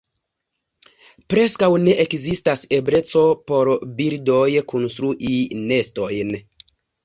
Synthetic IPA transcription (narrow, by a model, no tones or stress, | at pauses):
pɾeskawne̞ʔekzistasebɾet͡so̞poɾbiɾdojkʰonst̪ɾuʔinestojn